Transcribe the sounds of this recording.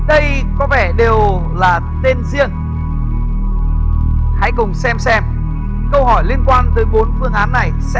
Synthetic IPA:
ɗə˧jkɔ˨˦vɛ˧˩ɗe˨˩w | laː˨˩t̪e˧nzḭ˧˨əŋ | ha̰˧˥jkʊ˨˩ŋ͡msɛ˧msɛ˧m | kə˧wɦɔ˧˩jli˧ənkwaː˧nt̪əː˨˦jɓo˨˦nfɨ˧əŋʔaː˨˦nːa˨˩jsɛ̰˧˦

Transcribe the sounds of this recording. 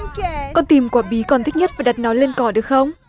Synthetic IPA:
kɔ˧nt̪i˨˩mkwaː˧˩ɓi˨˦kɔ˨˩nt̪ʰï˦˥k̚ɲə˦˥t̚vaː˨˩ɗa˨˩t̚nɔ˨˦jle˧nkɔ˧˩ɗɨ˨˩ək̚xə˧wŋ͡m

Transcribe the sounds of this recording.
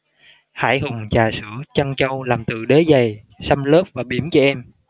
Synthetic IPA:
ha̰ː˧˩jɦʊ˨˩ŋ͡mt͡ɕaː˨˩sɨ̰˧˩˥ət͡ɕa˧ŋt͡ɕə˧wlaː˨˩mt̪ɨ̰˧˩ɗe˨˦za˨˩j | sa˧mləː˦˥p̚vaː˨˩ɓi˧˩əmt͡ɕɔ˧ʔɛ˧m

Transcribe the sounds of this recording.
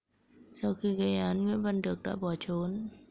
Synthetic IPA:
sa˧wxi˧ɣə˧jʔaː˨˦nŋwḭ˧˥ənvə˧˩nɗɨ˨˩ək̚ɗa̰ː˧˥ɓɔ˨˩t͡ɕo˨˦n

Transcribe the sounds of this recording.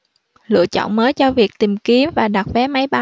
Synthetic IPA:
lɨ̰˧˨ət͡ɕɔ̰˧˨nməː˨˦jt͡ɕɔ˧vi˨˩ək̚t̪i˨˩mki˨˦əmvaː˨˩ɗa˨˩t̚vɛ˨˦ma˨˦jɓa˨˧˦

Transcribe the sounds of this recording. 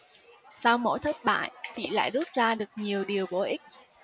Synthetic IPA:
sa˧wmo̰˧˥jt̪ʰə˦˥t̚ɓa̰ː˧˨jt͡ɕḭ˧˨la̰ː˧˨jzu˦˥t̚zaː˧ɗɨ˨˩ək̚ɲi˨˩əwɗi˨˩əwɓo˨˦ʔi˦˥k̟̚

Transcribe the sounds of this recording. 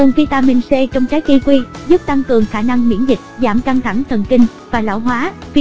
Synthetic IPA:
ʊ˨˩ŋfi˧t̪aː˧mi˧nse˧t͡ɕɔ˧wŋ͡mt͡ɕaː˨˦jki˧kwi˧zu˦˥p̚t̪a˧ŋkɨ˨˩əŋxaː˧˩na˧ŋmḭ˧˥ənzï˨˩k̚zaː˧˩mka˧ŋt̪ʰa˧˩ŋt̪ʰə˨˩nkï˧ŋ̟ | vaː˨˩la̰ː˧˥˩wɦwaː˨˦f

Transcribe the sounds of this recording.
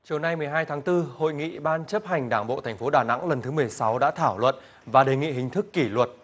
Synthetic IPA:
t͡ɕi˨˩əwna˧jmɨ˨˩əjɦaː˧jt̪ʰaː˨˦ŋt̪ɨ˧ho̰˧˨jŋḭ˧˨ɓaː˧nt͡ɕə˦˥p̚ha˨˩jŋ̟ɗaː˧˩ŋɓo̰˧˨t̪ʰɛ˨˩ŋ̟fo˨˦ɗaː˨˩na̰˧˥ŋlə˨˩nt̪ʰɨ˨˦mɨ˨˩ə˩jsa˨˦wɗa̰ː˧˥t̪ʰaː˧˩wlwə̰˧˨n | vaː˨˩ɗe˨˩ŋḭ˧˨ɦï˨˩ŋ̟t̪ʰɨ˦˥kːi˧˩lwə˨˩t̚

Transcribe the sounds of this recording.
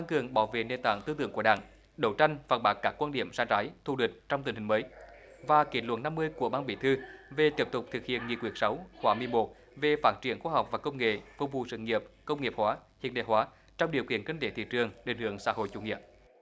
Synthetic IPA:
t̪a˧ŋkɨ˨˩əŋɓaː˧˩wvḛ˧˨ne˧˩nt̪a̰ː˧˨ŋt̪ɨ˧t̪ɨ˧əŋku˧˩əɗaː˧˩ŋ | ɗə˧˩wt͡ɕa˧jŋ̟faː˨˩n̚ɓaː˨˦˥k̚kːaː˦˥kwaː˧nɗi˧˨əmsaː˧˥nzaː˨˦jt̪ʰu˧˩ɗwï˨˩k̟̚t͡ɕɔ˧wŋ͡mt̪i˨˩ŋ̟hi˨˩ŋ̟məː˨˦j | vaː˨˩ki˧˩ənlwə̰˧˥nna˧mːɨ˧əjku˧˩əɓaː˧nɓḭ˧˩˨t̪ʰɨ˧ve˨˩t̪i˨˦˩p̚t̪ʊ˨˩k͡p̚t̪ʰɨ˨˩k̚hḭ˧˨ənŋḭ˨˧˨əkwi˧˥˩ək̚sa˨˦wxwaː˨˦mɨ˧əjmo˨˩t̚ | ve˨˩faː˦˥t̚t͡ɕi˧˩ənxwaː˧ha˨˩wk͡p̚vaː˨˩kə˧wŋ͡mŋḛ˧˨vʊ˨˩ŋ͡m̚vṵ˨˩sɨ̰˧˨ŋi˨˩əp̚kə˧wŋ͡mŋi˨˩əp̚hwaː˨˦hḭ˧˨ənɗḛ˧˩hwaː˨˦ | t͡ɕɔ˧wŋ͡mɗi˨˩əwki˧˨ənki˧ŋt̪ʰe˧˦t̪ʰḭ˧˨t͡ɕɨ˨˩əŋɗḛ˧˩ŋ̟hɨ˧˩əŋsa̰ː˧˥ɦo̰˧˨jt͡ɕṵ˧˩ŋḭ˧˨əp̚

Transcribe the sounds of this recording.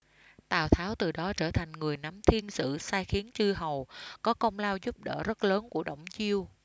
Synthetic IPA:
t̪aː˨˩wt̪ʰaː˨˦wt̪ɨ˨˩ɗɔ˨˦t͡ɕəː˧˩t̪ʰa˨˩jŋ̟ŋɨ˨˩əjna˨˦mt̪ʰi˧ənsɨ̰˧˥˨saː˧jxi˨˦ənt͡ɕɨ˧ɦə˨˩wkɔ˨˦kə˧wŋ͡mlaː˧wzu˦˥p̚ɗə̰ː˧˩zə˦˥t̚ləː˨˦nku˧˩əɗə̰˧˩wŋ͡mt͡ɕi˧əw

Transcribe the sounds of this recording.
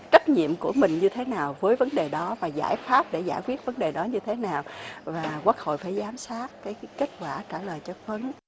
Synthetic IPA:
t͡ɕə˦˥t̚ɲḭ˧˨əmku˧˩əmï˨˩ŋ̟ɲɨ˧t̪ʰe˨˦naː˨˩wvəː˨˦jvə˨˦nɗe˨˩ɗɔ˨˦vaː˨˩za̰ː˧˩jfaː˦˥p̚ɗe˧˩zaː˧˩jkwi˦˥ət̚və˨˦nɗe˨˩ɗɔ˨˦ɲɨ˧t̪ʰe˨˦naː˨˩wvaː˨˩kwa˦˥k̚ho̰˧˨jfaː˧˩jzaː˨˦msaː˦˥k̚kaː˨˦jke˦˥t̟̚kwaː˧˩t͡ɕaː˧˩ləː˨˩jt͡ɕɔ˧˩və˨˦n

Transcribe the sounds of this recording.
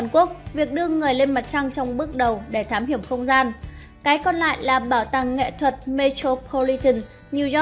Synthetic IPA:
nku˦˥ək̚vi˨˩ək̚ɗɨ˧əŋɨ˨˩əjle˧nma˨˩t̚t͡ɕa˧ŋt͡ɕɔ˧wŋ͡mɓɨ˦˥ək̚ɗə˨˩wɗe˧˩t̪ʰaː˨˦mhi˧˩əwŋ͡mxə˧wŋ͡mzaː˧n | kaː˨˦jkɔ˧nla̰ː˧˨jlaː˨˩ɓaː˧˩wt̪a˨˩ŋːḛ˧˨t̪ʰwə˨˩t̚me˧t̪o˧pʰo˧li˧t̪ə˧˩n | ni˧z

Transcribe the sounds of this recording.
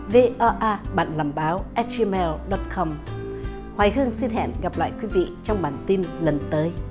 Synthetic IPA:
ve˧ʔɔ˧ʔaː˧ɓa̰ː˧˨nlaː˨˩mɓaː˨˦wʔɛ˦˥t̚t͡ɕi˧mɛ˧lɗɔ˨˦˥t̚kʰɔ˧m | hwaː˨˩jɦɨ˧əŋsi˧nɦɛ̰˧˨nɣa˨˩p̚la̰ː˧˨jkwi˨˦vḭ˧˨t͡ɕɔ˧wŋ͡mɓaː˨˩nt̪i˧nlə˨˩nt̪əː˨˦j

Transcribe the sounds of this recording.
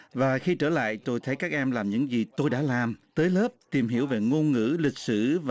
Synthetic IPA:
vaː˨˩xi˧t͡ɕəː˧˩la̰ː˧˨jt̪o˧jt̪ʰə˨˦jkaː˦˥k̚ʔɛ˧mlaː˨˩mɲɨ̰˧˥ŋzi˨˩t̪o˧jɗa̰ː˧˥laː˨˩mt̪əː˨˦jləː˦˥p̚t̪i˨˩mɦḭ˧˩əwve˨˩ŋo˧nŋɨ̰˧˥lï˨˩k̚sɨ˧˩v

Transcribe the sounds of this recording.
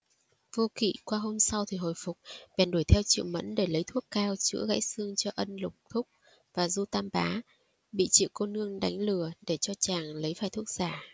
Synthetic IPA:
vo˧kḭ˧˨kwaː˧ɦo˧msa˧wt̪ʰi˨˩ɦo̰˧˨jfʊ˨˩k͡p̚ɓɛ˨˩nɗu˧˩jt̪ʰɛ˧wt͡ɕḭ˧˨wmə̰˧˥nɗe˧˩lə˨˦jt̪ʰu˦˥əkːaː˧wt͡ɕɨ̰˧˥əɣa̰ː˧˥jsɨ˧əŋt͡ɕɔ˧ʔə˧nlʊ˨˩k͡p̚t̪ʰʊ˦˥k͡p̚ | vaː˨˩zu˧t̪aː˧mɓaː˨˦ | ɓḭ˧˨t͡ɕḭ˧˨wko˧nɨ˧əŋɗa˨˦jŋ̟lɨ˧˩əɗe˧˩t͡ɕɔ˧t͡ɕaː˨˩ŋlə˨˦jfaː˨˩jt̪ʰək̚z̥aː˧˩

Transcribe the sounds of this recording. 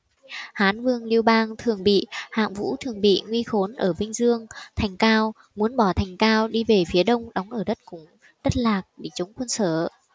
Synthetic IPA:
haː˨˦nvɨ˧əŋli˧əwɓaː˧ŋt̪ʰɨ˨˩əŋɓḭ˧˨ha̰ː˧˨ŋvṵ˧˥t̪ʰɨ˨˩əŋɓḭ˧˨ŋwi˧xo˨˦nʔəː˧˩ɓï˧ŋ̟zɨ˧əŋt̪ʰɛ˨˩jŋ̟kaː˧w | mu˨˦ənɓɔ˧˩t̪ʰa˨˩jŋ̟kaː˧wɗi˧ve˨˩fi˨˦əɗə˧wŋ͡mɗɔ˨˦wŋ͡mʔəː˧˩ɗə˦˥t̚kʊ˧˩ŋ͡m | ɗə˦˥t̚laː˨˩k̚ɗe˧˩t͡ɕə˨˦wŋ͡mkwə˧nsəː˧˩

